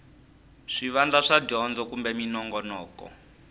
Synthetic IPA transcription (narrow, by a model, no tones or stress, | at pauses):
ʂiʋand͡ɮaʂad͡ʒɔnd͡zɔkumbɛminɔŋɡɔnɔːkɔ̰